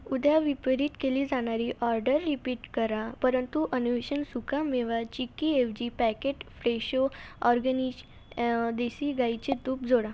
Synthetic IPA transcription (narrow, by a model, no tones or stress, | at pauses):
ud̪ʱjaʋipəɾiːʈ̪keliːd͡zaɽ̃aɾiʔɔɾɖəɾːipiːʈkəɾapəɾənt̪uʔənuʋeɕənsukʰameʋat͡ɕikiefd͡ʑipɛkeʈfɾeɕoɔɾɡəniɕ | d̪esiɡajt͡ɕet̪uːpd͡zʱoɽa